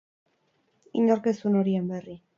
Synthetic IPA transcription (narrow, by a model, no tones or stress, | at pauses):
iɲoɾke̞suno̞ɾie̞mbe̞ri